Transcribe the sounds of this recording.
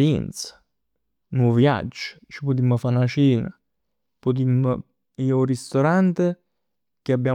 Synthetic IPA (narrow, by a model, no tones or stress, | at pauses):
ɛnt̪sḁ | nwɔvja̰d͡ʒː | t͡ʃipʊt̪̬imːəfanat͡ʃiːna̰ | pʊt̪̬imːə | iːorist̪oɾant̪e | keabːjaː